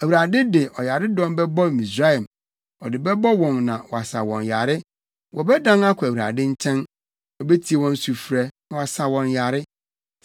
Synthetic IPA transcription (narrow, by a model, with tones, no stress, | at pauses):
æ˨wu˨ɾa˨dɪ˦de˨ʔɔ˨ja˨ɾɪ˦dɔ̃˦m˦bɛ˦bɔ˦˨mĩ˨sɾa˦ɛ˨m | ɔ˨dɪ˨bɛ˦bɔ˦wɔ̃˨nːã˨wɔ˨a˨sa̰˨wɔ̰̃˨nja̰˨ɾɪ˦ | wʔɔ˨bɛ˦dã˦na˦kʰʊ˨æ˨wu˨ɾa̰˨dɪ̃˦ɲ̩˦t͡ɕʰɛ̃˦n | ɔ˨be˦tʰi˨˦e˨wɔ̃˦n˦su˨fu˨ɾɛ˦ñ˦wa˨sa˨wɔ̃˨nja˨ɾɪ˦